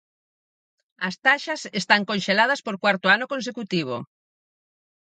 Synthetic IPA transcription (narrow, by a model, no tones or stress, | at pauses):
ɐst̪aʃɐsest̪aŋkõnʃelað̞ɐspoɾkwaɾt̪ʊanokõns̬ekut̪iβ̞o̰